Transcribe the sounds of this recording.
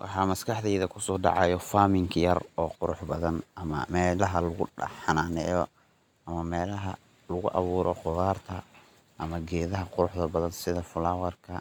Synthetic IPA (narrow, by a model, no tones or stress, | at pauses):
wʔɑ̰ħɑːmɐskʰɑħðɛjðɐkʰʊsɔːɖɑ̰ʕɑjɔfaːmɪŋkʰjɐrɔːqʊɾʊħbɐðɐnʔɐmɐ̰mɛːlɐɦɐlʊɣʊɖɐ̰ħɑnanɛːjɔ̰ | ɐmɐmɛːlɐɦɐ | lʊɣʊ̰ʔɑ̰βuːɾɔqʊðaːrt̪ʰɐ | ʔɐmɐɡɛːðɐɦɐqʊɾʊħðɐbɐðɐnsɪðɐfʊlawɐrkʰɐ